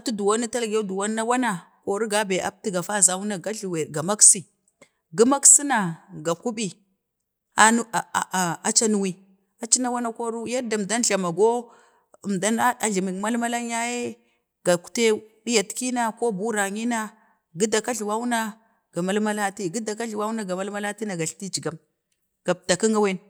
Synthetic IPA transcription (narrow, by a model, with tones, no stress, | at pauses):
a˨tu˦du˨wa˦na˦ta˦lɡe˦du˨wa˦nːa˦wa˦na˨ | ko˨ɾu˦ɡa˦be˨a̰˦p̚ti˦ɡa˨fa˦za˨wu˦na˨ɡa˦ɬwe˨ɡa˨ma˦ksi˨ | ɡi˦ma˦ksi˦na˨ɡa˨ku˦bi˨ | a˦˨a˨t͡ʃa˦nu˦wi˨ | a˨t͡ʃi˦na˦wa˦na˦ko˦ɾu˦ja˦ɾda˨m˨da˦nɬa˨ma˨ɡo˦˨ | mda˦n˦a˨ɮi˨mi˨kma˦lma˦la˦ŋ˦a˦je˦ | ɡ̥a˨ku̥˨te˦ɗi˦ja˨tki˦na˦ko˦bu˦ɾa˨ŋi˦na˦ | ɡi˦da˨ka˦ɮi˨wa˦wu˦na˦ | ɡ̥a˨ma˦lma˦la˦ti˦ɡi˦da˨k̬a˦ɮwa˦wna˦ɡa˨ma˦lma˦la˦ti˦na˨ɡa˨ɬti˦d͡ʒi˨ɡa˨˦m | ɡ̥a˨p̚ta˨ki˦ŋɡa˦we˦n